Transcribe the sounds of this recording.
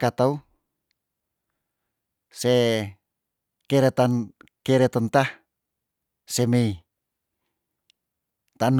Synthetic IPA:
kat̪au | se | keɾet̪ankeɾet̪ɔnt̪ah | semei | t̪an

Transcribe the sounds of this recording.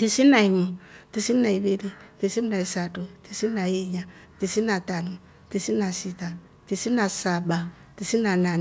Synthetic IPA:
tisinaimutisinaibilitisimnaisatotisinajeɲa | tisinatanu | tisinasita | tisinasaba | tisinana

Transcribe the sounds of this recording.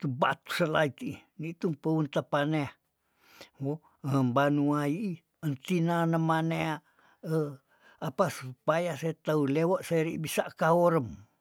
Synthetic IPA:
t̪uba̰t̪u̥səlait̪ii | nit̪umpəunt̪apane | wo | əmbanuaii | ənt̪inanamanea | ə | apasupajaset̪aulewoʔsaɾiʔbisaʔkaoɾəm

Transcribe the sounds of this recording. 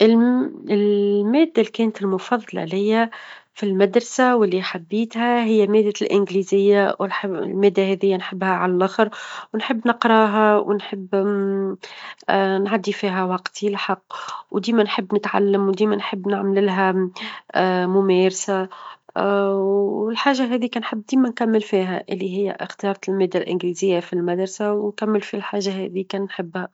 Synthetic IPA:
ʔɪlɪlmɛːd̪ːalkɛːnt̪ɪlmʊfɑðˤːɑlɑ̰lɪjːæ | filmad̪ɾˤɑsawɪlːiħabːiːt̪hæɦɪjːæmɛːd̪ːalʔɪnɡlizɪjːawħlmæːd̪ːahɛðɪjːænħɪbːhæʕa̰lælʔɑxɾwnħəbːnɪqɾˤɑːɦawɪnħəbː | nʕad̪ːifiːɦæwɑqt̪ʰilħɑqːwd̪iːmænħɪbːnɪt̪ʕa̰lːəmwd̪iːmænħɪbːnaʕmlɪlɦæ | mʊmɛːɾsa | ɪlħaːʒːaɦɛːðikæːnħəbːd̪iːmænkæmːɪlfiːɦæʔɪlːiɦɪjːæ̰xt̪jɑːɾˤɑlmæːd̪ːalʔɪnɡliːzɪjːafilmad̪ɾˤsawnkæmːɪlfilħaːʒːaɦɛ̰ːðikænnħɪbːhæ

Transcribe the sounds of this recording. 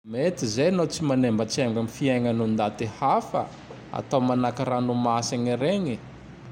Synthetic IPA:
met̪izejanowt͡simanembət͡siamɡamifiaŋanund̪at̪ehafə̰ | a̰t̪awmanakaɾanumasaɲiɾeɲi

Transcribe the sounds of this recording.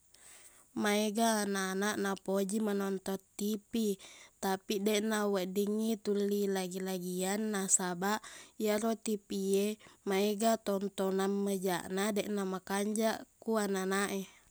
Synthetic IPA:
maeɡananaʔnapod͡ʒimanɔnt̪ɔt̪ːipit̪apidɛʔnawəʔdiŋːit̪ulːilaɡilaɡianːasabaʔjaɾot̪ipiemaeɡat̪ɔnt̪ɔnamːəd͡ʒa̰ʔnadɛʔnamakaɲd͡ʒaʔkuananaʔe

